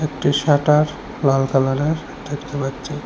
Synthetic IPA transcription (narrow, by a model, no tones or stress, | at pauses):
ek̚ʈiʃaʈaɾ | lalkalaneɾ | d̪ekʰt̪epatːɕʰe